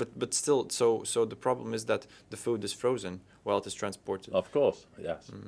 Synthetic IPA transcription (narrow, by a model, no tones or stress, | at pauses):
b̥ʌt̚b̥ʌtstɪlˠsoʊsoʊðəpʰɹ̥ɑblə̃mɨzðɨt̪ðɨfudɨz̥fɹoʊzɨ̃n | waɪlˠəɾɨz̥tʰɹ̥æ̃nspɔɹɾɨdʌv̥kʰɔɹsjɛ̰s